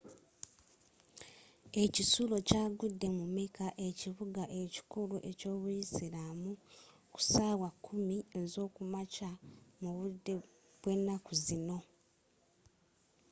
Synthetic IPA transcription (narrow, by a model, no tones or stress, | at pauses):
e̞cisulo̞caːɡudːe̞mumekaʔe̞ciβuɡaʔe̞ci̥kuluʔe̞co̞ːβujisiɾamu | ku̥saːwakʰːumiezo̞ːkumacamuβudːe̞ | βwe̞nːakuzino̞